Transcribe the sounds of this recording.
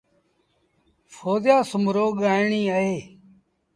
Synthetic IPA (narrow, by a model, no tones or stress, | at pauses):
fʰoːzjaːsʊmɾoːɠaːɪɳiːaːeː